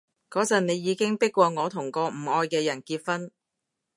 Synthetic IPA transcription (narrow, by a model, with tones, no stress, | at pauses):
kɔː˨˥t͡sɐ˨tne˨˧jːiː˨˧˥kɪ˥ŋpɪ˥kːɔː˧ŋɔː˨˧t̪ʰʊ˨˩ŋkɔː˧m̩˨˩ɔː˧jkɛː˧jɐ˨˩nkiː˧t̚fɐ˥n